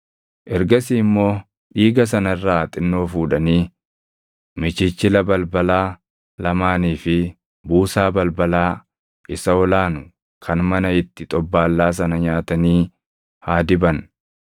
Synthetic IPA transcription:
ʔɛɾɡɐsiːmːo̞ː | ᶑiːɡɐs̬ɐnɐɪrːaːt̪ʼɪnːo̞ːfuːᶑɐniː | mɪt͡ʃɪt͡ʃːɪlɐbɐlbɐlaː | lɐmaːniːfɪ | buːsaːbɐlbɐlaː | ʔɪsɐɔlaːnʊ | kʰɐnmɐnɐɪt̪ːɪt̪ʼɔbːaːlːaːs̬ɐnɐɲaːt̪ɐniː | haːd̪ɪbɐn

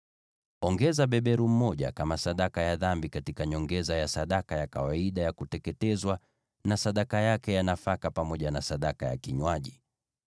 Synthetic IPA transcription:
ɔŋɡɛzaɓɛɓɛɾum̩mɔʄa̰kamasaɗakajaðambikatikaɲɔŋɡɛzajasaɗakajakawaiɗajakutɛkɛtɛzwa | nasaɗakajakɛjanafakapamɔʄanasaɗakaja̰kiɲwaʄi

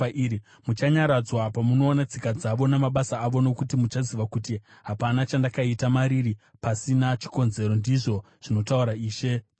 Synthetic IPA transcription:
ʔiɾi | mut͡ʃaɲaɾad͡zwapamuno̞ːnat͡sikad͡zaʋo̞namaɓasaːʋo̞no̞kutimut͡ʃaziʋakutiɦapanat͡ʃandakaitamaɾiri | pasinat͡ʃi̥ko̞nze̞ɾo̞ndiʐo̞ | ʐ̥ino̞tauɾaiːʃe̞

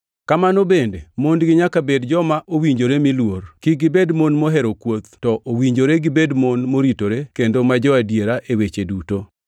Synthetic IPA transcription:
kamanobendemondɡɪɲakabedd͡ʒɔmaʔowiɲd͡ʒoɾemilworkiɡɪbedmonmoɦɛɾokwot̪tɔʔowiɲd͡ʒoɾeɡɪbedmonmoɾitoɾekendomad͡ʒɔadjeɾaʔewet͡ʃeduto

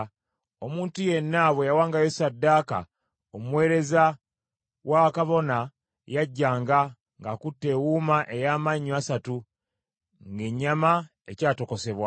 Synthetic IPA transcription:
omuːntuje̞nːaβwejawaːŋɡajosadːaːka̰ | omuwe̞ːɾe̞za | wakaβo̞na | jaɟːaːŋɡa | ŋɡakutːe̞ːwuːmaʔejaːmaɲːiasatu | ŋɡe̞ɲːama | ecaːto̞ko̞se̞βwa

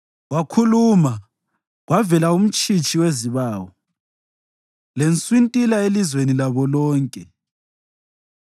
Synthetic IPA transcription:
ɣwakʰuluma | ɣwavɛlaum̩t͡ʃʼit͡ʃʼiweziβaːwɔ | lent͡sʼwintʼilaelizwenilaβɔlɔːŋkʼɛ

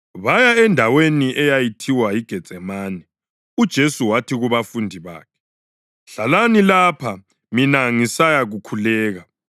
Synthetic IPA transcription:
βajaɛndʱaweniʔɛjajitʰiwajiɡ̥ʱɛ̥z̥ʱɛmaːnɛ | ud̥ʒ̥ʱesuwatʰiɣuβafundʱiβa̰ːkʰɛ̥ | ɬalanilaːpʰa | minaŋisajaɣukʰulɛːɣa

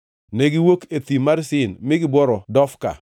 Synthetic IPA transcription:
nɛɡɪwoket̪imaɾsɪnmɪɡɪbwɔɾɔdɔfka̰

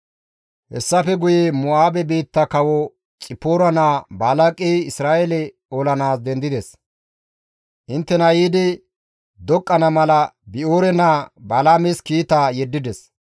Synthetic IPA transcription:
hɛ̰sːɐfɛɡʊjemʊaːbɛbiːt̪ːɐkɐwɔ | t͡sʼɪpːoːɾɐnaːbaːlɐkʼɛjɪsɾaːʔɛlɛ | oːlɐnaːsd̪ɛnd̪ɪd̪ɛs | ʔɪnt̪ːɛnɐjiːd̪ɪ | d̪ɔkʼːɐnɐmɐlɐbɪʔoːɾɛnaːbaːlaːmɛskiːt̪aːjɛd̪ːɪd̪ɛs

